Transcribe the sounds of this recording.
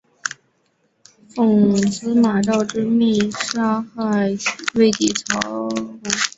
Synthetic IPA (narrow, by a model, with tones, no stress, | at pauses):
fʊ˨˩ŋsɹ̩˥ma˨˩t̪̬ɑ˥˩ʊʈ͡ʂɻ̩˥mi˥˩ʂa˥xa˥˩ɪwe˥˩ɪt̪i˨˩t͡sʰɑ˧˥ʊ˩